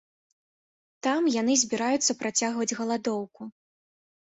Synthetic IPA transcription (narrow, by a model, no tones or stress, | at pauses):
t̪amjanɨzʲbʲiɾajut̪sːɐpɾʔat͡sʲaɣvɐd͡zʲɣɐlˠad̪ɔwku